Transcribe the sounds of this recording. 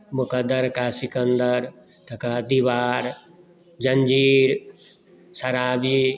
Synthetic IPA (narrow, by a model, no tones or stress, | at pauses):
mʊkɐd̪əɾkaːsikə̃nd̪əɾ | t̪ɐkaːd̪iʋaːɾ | d͡ʒɐɲd͡ʒiːɾ | sɐɾaːbi